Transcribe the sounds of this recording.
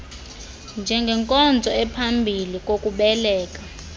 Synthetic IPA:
nd͡ʒʱɛŋɡʱɛŋkʼɔnd͡zʱɔɛpʰambʱilikʼokʼuɓɛlɛːk̬ʼa

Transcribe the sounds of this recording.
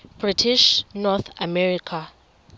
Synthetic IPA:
b̥ritʰiʃnɔt̪amɛɾikʰa

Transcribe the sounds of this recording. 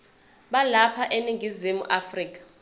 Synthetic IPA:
ɓalapʰaʔeniŋɡʱizimṵʔafriːk̬ʼḁ

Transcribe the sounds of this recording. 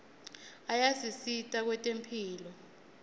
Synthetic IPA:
ajasisitʼak̬wɛtʼempʰiːlɔ

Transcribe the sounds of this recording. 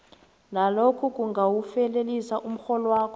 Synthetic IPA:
nalokʰɔk̬ʼuŋɡʱawufɛlelisaʔum̩xɔlɔwaːkʰɔ

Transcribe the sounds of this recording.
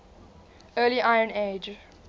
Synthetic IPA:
ɜːliʔaɪə̃neːd͡ʒ

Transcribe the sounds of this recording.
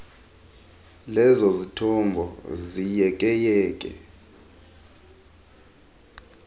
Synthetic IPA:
lɛzozitʰɔmbʱɔ̰zijɛkʼɛjɛːkʼɛ̰

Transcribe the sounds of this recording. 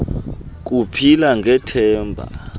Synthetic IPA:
k̬upʰilaŋʱɛtʰɛːmbʱa̰

